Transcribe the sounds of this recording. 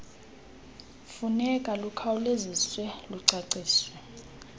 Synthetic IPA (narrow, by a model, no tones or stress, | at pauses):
funɛkʼalukʰauleziswɛluǀaǀiːswɛ